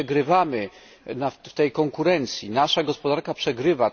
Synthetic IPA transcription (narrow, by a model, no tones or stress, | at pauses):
ɛɡɾɘvamɘ | naft̪ɛjkɔŋkuɾɛnt̪sʲjinaʂaɡɔspɔd̪aɾkapʂɛɡɾɘva